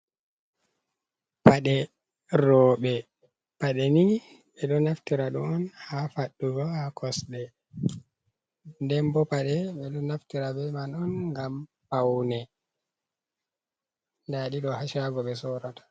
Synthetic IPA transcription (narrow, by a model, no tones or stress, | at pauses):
paɗɛ | ɾɔːɓɛ | paɗɛni | ɓɛɗɔnaftiɾaɗɔɔnhafaɗːuɡɔhakʰɔsɗɛ | dɛmbɔpaɗɛɓɛɗɔnaftiɾabɛmanɔnŋɡam | pawnɛ | ndaɗiɗɔhaʃaɡɔɓɛsɔɾatḁ